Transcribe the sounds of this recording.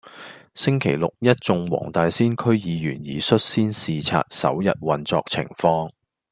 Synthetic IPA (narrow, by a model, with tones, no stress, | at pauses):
sɪ˥ŋkʰe˨˩jlʊ˨k̚jɐ˥t̚t͡sʊ˧ŋwɔ̰ː˨˩ŋt̪aː˨˧jsiː˥nkʰɵ˥ɥjiː˨˧jyː˨˩njiː˨˥sɵ˥t̚siː˥nsiː˨t͡sʰa̰ː˧t̚sɐ̰˨˥wjɐ̰˨t̚wɐ˨nt͡sɔː˧k̚t͡sʰɪ̰˨˩ŋfɔː˧ŋ